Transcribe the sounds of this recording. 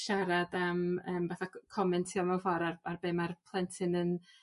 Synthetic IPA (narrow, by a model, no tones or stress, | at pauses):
ʃaɾadaməːmvaθakʰɔmɛntʰiɔmɛwfɔɾararbeːmarpʰlˠɛntʰɪnən